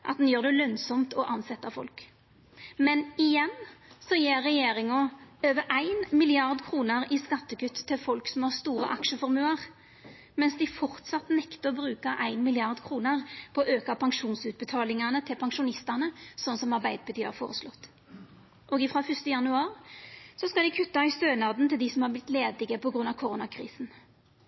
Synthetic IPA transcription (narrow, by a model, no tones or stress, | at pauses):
ʔɑt̪d̪njøːʁd̪ɛlœnsɔmt̪ʰɔʔɑnsɛt̪ːɑfɔ̰lk | mɛnɪjɛnsɔjeːʁːɛjeːʁɪŋʊøːʋəʔæɪnmɪlɪɑʁd̪kʰʁuːnəʁɪskɑt̪ːəkʉt̪ːə̥t̪ʰːɪlfɔlksɔmhɑʁst̪uːɾə̰ʔɑ̰kʃəfɔʁɾmʉːəʁ | mɛnsd̪ɪfɔʁt̪sɑt̪ːnɛkt̪əʁɔbɾʉːkɑʔæɪnmɪlɪɑʁd̪kʰʁuːnəʁpʰɔɔːʔøːkɑpʰɑŋʂuːnsʉt̪̚bət̪ʰɑːlɪŋɑnət̪ʰɪlpʰɑŋʂʊnɪst̪ɑnəsɔnːsɔmɑʁbæɪd̪əpʰɑt̪ʰːɑɾfoːʁəslɔt̪ː | ʔɔːɡɪfʁɑːfʏst̪əjɑnʉɑːʁsɔskɑld̪ɪkʰʉt̪ːɑɪst̪øːnɑd̪nt̪ʰɪld̪ɪsɔmhɑːʁblɪt̪leːd̪ɪɡəpʰɔɡʁʉnːɑʋkʰʊʁuːnɑkʰʁḭːsn̩